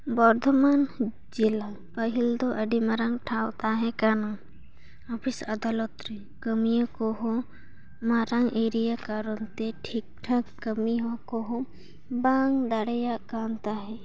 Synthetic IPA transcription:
bɔɾd̪ʱɔman | d͡ʒila | pəɦild̪oʔəɖimaɾaŋʈʰawt̪aɦɛkanaŋ | apʰisad̪alɔt̪ɾi | kəmijakoɦo | maɾaŋʔeɾijakaɾɔnt̪eʈʰik̚ʈʰɐkːəmiɦɔkoɦo | baŋd̪aɽɛjakant̪aɦɛ̃

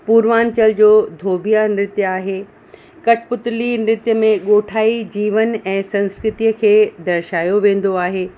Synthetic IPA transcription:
puːɾʋaːnt͡ɕəld͡ʑoːd̪ʱoːbʱijanɾɪt̪jəaːɦeː | kɐʈʰɪpʊt̪ʊlinɾɪt̪jəmẽɠoːʈʰaːid͡ʑiːʋənɛ̃ːsɐ̃nskɾɪt̪ijəkʰeːd̪ɐɾʃaːjoʋẽːn̆d̪oaːɦeː

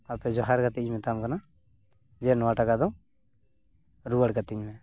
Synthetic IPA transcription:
apɛd͡ʒɔɦaɾkat̪iɲmɛt̪amkana | d͡ʒɛnɔaʈakad̪ɔ | ɾuəɽkat̪iɲmɛ

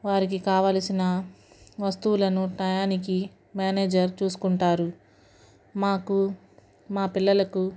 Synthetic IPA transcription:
ʋaːɾik̬ikaːʋaːlɐsinɐ | ʋɐst̪uːlɐnuʈɐjaːnik̬i | mjaːneːd͡ʒɐɾt͡ʃuːsu̥kuɳʈaːɾu | maːku | maːpilːɐlɐku

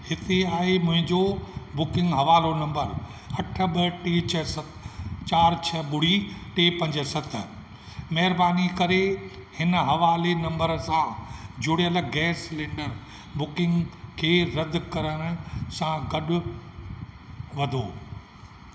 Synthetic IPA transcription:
hɪt̪eaːɦemʊ̃ɦɪ̃ɲd͡ʑobʊkɪ̃ŋɡɦɐʋaːlonɐ̃mbəɾ | ɐʈʰə̆ɓɐʈeːt͡ɕʰɐsɐ | t͡ɕaːɾt͡ɕʰɐɓʊɽ̤iʈeːpɐ̃ɲd͡ʑəsɐt̪ʰə̆ | mɐɦɪɾbaːnikɐɾe | hɪnəɦɐʋaːlenɐ̃mbəɾsãd͡ʑʊɽijəlɡɛːslɪ̃ːɳɖəɾ | bʊkɪ̃ŋɡkʰeːɾɐd̪ʱkɐɾəɽ̃ʊ̆sãɡɐɗʊ̆ | ʋɐd̪ʱoː

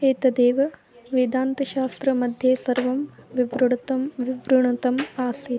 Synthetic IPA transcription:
eːt̪ɐd̪eːʋɐ | ʋid̪aːnt̪ɐʃaːst̪ɾɐmɐd̪ʱjeːsɐɾʋɐmʋiʋɾuɽt̪ɐmʋiʋɾuɳɐt̪ɐmaːsi

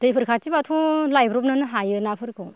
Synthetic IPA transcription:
d̥ɯjpʰɯɾkʰat͡ʃibatʰulajbɾɔp̚nɯnɯɦajɯnapʰɯɾkʰɯ

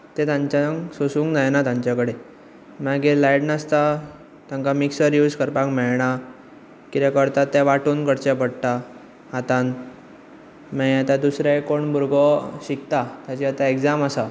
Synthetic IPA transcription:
t̪ẽt̪ãɲt͡ɕãŋsosuːŋknajnat̪ãɲt͡ɕakəɽe | maɡelajɽnəst̪a | t̪jãŋkamiksəɾjuːd͡zkəɾpãkmɛɭɳ̃a | kit̪ɛ̃kəɾt̪at̪ːɛʋaʈuːnkəɽt͡ɕɛpəɽt̪a | at̪an | mɛat̪ad̪usɾẽkoɳbʱuɾɡɔɕikt̪at̪jat͡ɕiat̪aeɡd͡zamasa

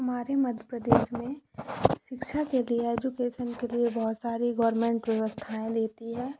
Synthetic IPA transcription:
ɦɐmaːɾemɐd̪ʱjəpɾəd̪eːʃmẽʃɪkʃʰakelieɛːd͡ʒukeːʃənkeliebɐɦʊt̪saːɾiɡɔːɾmẽːɳʈʋɛʋəst̪ʰaːẽd̪eːt̪iɦɛː

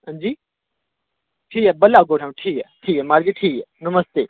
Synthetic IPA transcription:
ɦə̃nd͡ʑiː | ʈʰiːkɛːbɐlaɡoːʈʰãmʈʰiːkɛʈʰiːkɛmaɾd͡ʑiʈʰiːkɛnʊməst̪eː

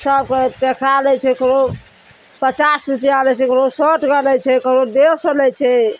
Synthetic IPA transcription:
səb̚keʈekʰɾalɛt͡ʃʰɛkəɾo | pət͡ʃasɾupjalɛt͡ʃʰɛkəɾosəʈɡəlɛt͡ʃʰɛkəɾodesəlɛt͡ʃʰɛ

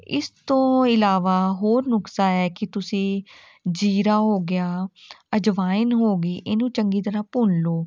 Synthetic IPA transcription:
ɪ̰st̪õːɪlaːʋaːɦoːɾnʊksaːɛːkɪt̪ʊsĩː | d͡ʒiːɾaːɦoːɡɪjaːəd͡ʒʋaːɪnɦoːɡiːʔɪːnũːt͡ʃəŋɡiːt̪əɾãːpʊnloː

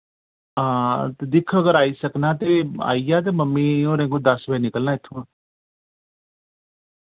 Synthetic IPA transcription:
ãːt̪ed̪ɪkʰəɡəɾaːisəknãːt̪̬eːa̰ːijaːt̪̬eməmːiːõːɾẽːŋɡõd̪ɐsbeinɪkəlnaːɪt̪ʰːũːãː

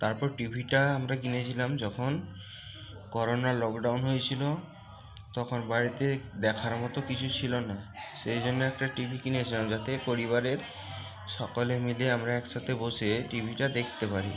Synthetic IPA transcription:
t̪aɾpɔɾʈibʱiʈaamɾakinet͡ɕʰilamd͡ʑɔkʰon | kɔɾonalɔkɖawnɦojet͡ɕʰilo | t̪ɔkʰɔnbaɾit̪ed̪ɛkʰaɾmɔt̪okit͡ɕʰut͡ɕʰilonasejd͡ʑonːeɛkʈaʈibʱikinet͡ɕʰilamd͡ʑat̪epoɾiβaɾeɾ | ʃɔkɔlemileamɾaɛkʃat̪eboseʈibʱiʈad̪ekʰt̪epaɾi

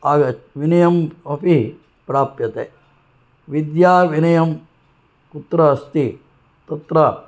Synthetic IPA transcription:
aːɡɐʋinɐjɐmɐpi | pɾaːpjɐt̪ḛː | ʋid̪jaːʋinɐjɐm | kut̪ɾɐst̪i | t̪ɐt̪ɾɐ

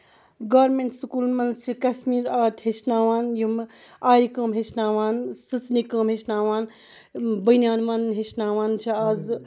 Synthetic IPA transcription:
ɡaːɾmeɳʈsukuːlmɐnzt͡ʃʰikɐsmiːɾaːtʰhet͡ʃnaːʋaːnjumaːɾikəːmɦeʃnaːʋaːnsɨt͡snikəːmɦeʃnaːʋaːn | bɐnʲjaːnmanɦeʃnaːʋaːnt͡ʃʰiaːz

